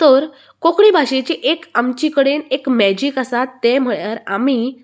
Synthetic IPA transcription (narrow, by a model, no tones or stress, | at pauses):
t̪əɾ | kokɽibʱaʂet͡ɕiːʔekamt͡ɕikəɽenekmɛd͡ʑikəsat̪ːem̤əɭjaɾa̰mi